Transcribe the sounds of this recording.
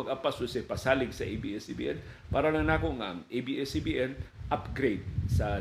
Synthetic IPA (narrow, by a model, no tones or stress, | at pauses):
ɐɡʔapasʊsɛpɐsaːlɪɡsɐʔebḭʔɛsibḭːʔɛn | paːɾɐlɐŋnaːkoŋaɐ̰ŋʔejbiʔɛsibiʔɛnʔapɡɾejd̪̚sɐ